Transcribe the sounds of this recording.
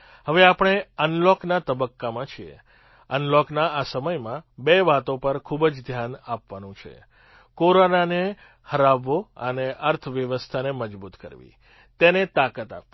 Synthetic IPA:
ɦəʋeapəɳ̃eənlɔknat̪əbəkːamãt͡ʃʰiḛ | ənlɔknaasəməjmãbeʋat̪õpəɾkʰubəd͡ʒd̪ʱjanapʋanũt͡ʃʰḛ | koɾonane | həɾaʋːoəneʔəɾt̪ʰʋjəʋəst̪ʰaneməd͡ʒbut̪kə̰ɾʋḭ | t̪enet̪akət̪a̰pːi

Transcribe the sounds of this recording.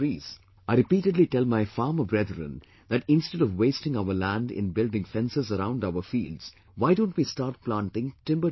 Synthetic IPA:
iz | aɪɾɪpiːʈəɖliʈɛlmaɪfaːɾməbɾɛd̪ɾə̰̃n | d̪æʈɪ̃nstɛɾɔʋweɪsʈɪ̃ŋaʊəlæ̃nɖɪ̰̃nbɪldɪ̃ŋfɛ̃nsəzəɾãʊ̃nɖaʊəɾfiːldz̥ | waɪdõːnʈwiːstaːɾʈ̚plãːnʈɪ̃ŋʈɪ̃mbə

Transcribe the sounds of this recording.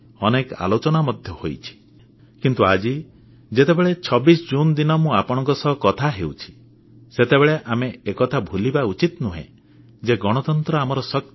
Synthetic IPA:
ɔneka̰lot͡ʃɔnamɔd̪ʱjɔhojt͡ʃʰi̥ | kint̪uad͡ʒi | d͡ʒet̪ebeɭet͡ʃʰɔbisd͡ʒund̪inɔmũapɔɽ̃ɔ̃ŋkɔsɔɦɔkɔt̪ʰaɦewt͡ʃʰi̥ | set̪ebeɭeʔameekɔt̪ʰabʱulibaut͡ʃit̪nuɦḛ̃ | d͡ʒeɡɔɽ̃ɔt̪ɔnt̪ɾɔamɔɾɔsɔk̚

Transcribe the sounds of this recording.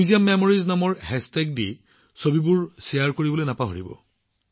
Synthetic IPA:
uzijamːemoɹiznamɔɹhɛstɛk̚di | sobibuɹsejaɹkoɹibɔlojnapaɦoɹibɔ̰

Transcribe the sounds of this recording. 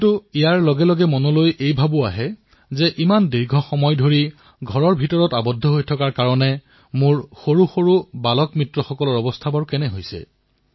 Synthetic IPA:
tuijaɹlɔɡɛlɔɡɛmɔnɔlojʔejbʱabʊaɦɛ | zɛʔimandiɹɡʱɔxɔmɔjdʱoɹi | ɡʱɔɹɔɹbʱitɔɹɔtabɔdʱːɔɦojtʰɔkaɹkaɹɔnɛ | mʊɹxoɹuxoɹubalɔkmɹitɹɔxɔkɔlɔɹɔbɔstʰabɔɹkɛnɛɦojsɛ̰

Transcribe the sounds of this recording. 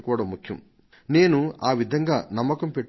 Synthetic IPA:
kuːɽɐmukʰjɐm | ne̞ːnuaːʋid̪ʱɐŋɡaːnɐmːɐkɐmpeʈː

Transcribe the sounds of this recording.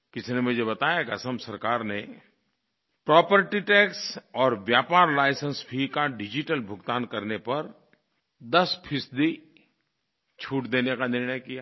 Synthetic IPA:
kɪsnemʊd͡ʒʱebɐt̪aːjakɐsəmsɐɾkaːɾne | pɾɔːpəɾʈiʈɛːksɔːɾʋjaːpaːɾlaːɪsənsbʱikaɖɪd͡ʒɪʈəlbʱʊɡt̪aːnkɐɾnepɐɾ | d̪ɐspʰɪsd̪i | t͡ʃʰuːʈd̪eːnekanɪɾɳ̃əjkijaː

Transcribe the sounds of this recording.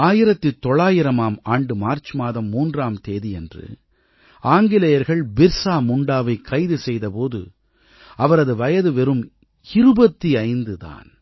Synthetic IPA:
aːjɪɾɐt̪ːɪt̪ːɔɭːaːjɪɾɐmaːmaːɳɖɯmaːɾt͡ʃɯmaːðɐmːuːndraːmt̪eːðiɛndrɯ̰ | aːŋɡɪlɐjɐɾɣɐɭbɪɾsaːmʊɳɖaːʋɐɪkʰːɐɪðɯsɛjðɐpoːðɯ̰ | ɐʋɐɾɐðɯʋɐjɐðɯʋɛɾɯm | ɪɾɯbɐt̪ːiɐɪnd̪ɯða̰ːn

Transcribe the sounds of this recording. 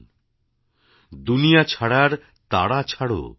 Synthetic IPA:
d̪unijat͡ɕʰaɽaɾ | t̪aɽat͡ɕʰaɽo̰

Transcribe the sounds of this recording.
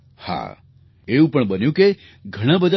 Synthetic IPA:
ha̰ | eũpəɳbənjũke | ɡʱəɽ̃ãbəd̪a

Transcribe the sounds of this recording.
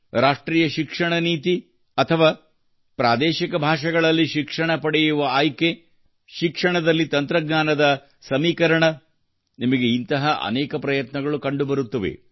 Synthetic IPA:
ɾaːʂʈɾiːjɐʃikʂɐɳɐniːt̪i | ɐt̪ʰɐʋaː | pɾa̰ːd̪ɛːʃikɐbʱaːʂɐɡɐɭɐlːiʃikʂɐɳɐpɐɽɛjuʋɐaːjke | ʃikʂɐɳɐd̪ɐlːit̪ɐnt̪ɾɐɡnaːnɐd̪ɐ | sɐmiːkɐɾɐɳɐ | nimɐɡeint̪ɐɦɐʔɐ̰nɛːkɐpɾɐjɐt̪nɐɡɐɭukɐɳɖubɐɾut̪ːɐʋḛ

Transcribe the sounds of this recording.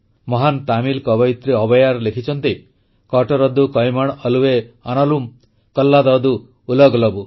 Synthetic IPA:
mɔɦant̪amilkɔbɔjit̪ɾiɔbɔjaɾlekʰit͡ʃʰɔnt̪i | kɔʈɔɾɔd̪ukɔjmɔɽ̃ɔluweanɔlum | kɔlːad̪ɔd̪uː | lɔɡlɔbu

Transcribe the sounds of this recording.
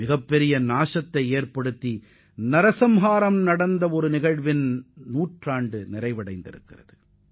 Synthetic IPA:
ɪɣɐpːɛɾɪjɐnaːʂɐt̪ːɐɪeːrpɐɽɯt̪ːi | nɐɾɐsɐmɦaːɾɐmnɐɽɐnd̪ɐɔɾɯnɪɣɐɻʋɪnnuːʈraːɳɖɯnɪɾɐɪʋɐɽɐɪnd̪ɪ̰ɾɯ̰kːɪrɐðɯ

